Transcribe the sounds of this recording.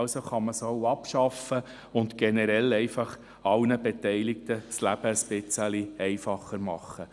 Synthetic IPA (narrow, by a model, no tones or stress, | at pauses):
ʊsoχɑməsoʊɑpʃɑfə | ʊntɡ̥ɛnɛɾɛlɛɪfɑχ | ɑlnəbetɛɪlɪk̚t̪əslæb̥əsbɪt͡səliɛɪfɑχːəɾmɑχːə